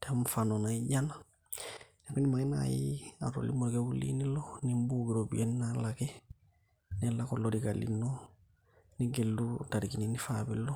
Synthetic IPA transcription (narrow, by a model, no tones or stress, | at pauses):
tɛmfanonaiɟana | nɛkunimaŋina̰jia̰ɾo̰lḭmoɾɡewulḭnilonimbuɡiɾobḭennalake | nɛlakolːodikalḭnːo | niɡelːutaɾikininifabilːo